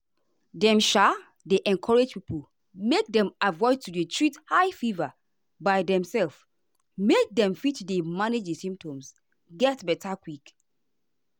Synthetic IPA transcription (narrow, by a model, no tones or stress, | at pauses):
dɛ̃mʃa | deʔɛ̃nkʰɔɹed͡ʒpipʰəl | mek̚dɛ̃mavɔɪd̚tuɹitʰɹithaɪfiva | baɪdɛ̃msɛlf | mek̚dɛ̃mfitdemaned͡ʒdesĩmp̚tʰɔ̃ms | ɡɛtbɛtʰakwik